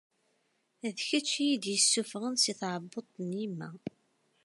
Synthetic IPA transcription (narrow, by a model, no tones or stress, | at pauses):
æðçæt͡ʃːijid̪jəsːufʁənsiθʕəbːot̪ˤːnimːæ̰